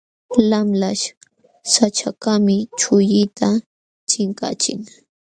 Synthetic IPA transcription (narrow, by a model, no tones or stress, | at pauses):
lamlaʃ | sat͡ʃakamɪt͡ʃʊjɪt̪ʰa | t͡ʃɪŋka̰t͡ʃɪŋ